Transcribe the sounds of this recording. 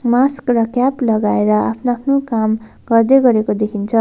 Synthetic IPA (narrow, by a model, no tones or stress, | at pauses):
maskrʌkjaplʌɡaeɾʌapʰnaːpʰnokam | ɡʌrd̪eɡʌɾekod̪ekʰint͡sʰʌ